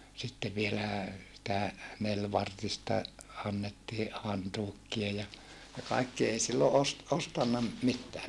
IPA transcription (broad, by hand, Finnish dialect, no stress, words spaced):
sitːe ʋielæˑ sĭtæ nelʋɑrtistɑ ɑnːetːiː hɑntuːkːiɑ jɑ jɑ kɑikːi ei silːo ost ostɑnːɑ m mitːæː